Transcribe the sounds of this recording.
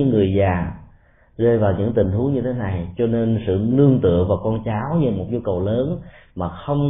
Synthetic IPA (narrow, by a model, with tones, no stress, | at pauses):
ɨ̰˧˥ŋːɨ˨˩əjzaː˨˩ | zeː˧jvaː˨˩wɲɨ̰˧˥ŋt̪ï˨˩ŋ̟t̪ʰu˨˦ŋɲɨ˧e˨˦na˨˩jt͡ɕɔ˧ne˧nsɨ̰˧˨lɨ˧əŋt̪ɨ̰˧˨əŋvaː˨˩wkɔ˧nt͡ɕaː˨˦wɲɨ˧˩mo˨˩t̚zu˧kə˨˩wləː˨˦nmaː˨˩xə˧wŋ͡m